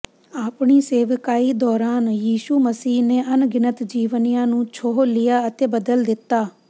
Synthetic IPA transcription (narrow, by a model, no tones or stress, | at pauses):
aːpɳiːseːʋəkaːiːd̪ɔːɾaːnjiːʃuːməsiːneːʔənɡɪnət̪d͡ʒiːʋənɪjãːnũːt͡ʃʰoːɦlɪjaːət̪eːbəd̪əld̪ɪt̪ːaː